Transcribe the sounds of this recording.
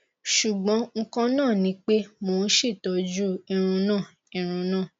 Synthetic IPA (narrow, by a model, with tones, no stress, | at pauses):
ʃu˨ɡ͡bɔ̃˨˦ŋ̩˦kã˦nãː˦˨nĩ˨˦k͡pe˦mo˨˦n̩˦ʃi˦˨tɔ˨˦d͡ʒu˦i˧ɾ̃ũ˧nãː˦˨ | ĩ˧ɾ̃ũ˧nãː˦˨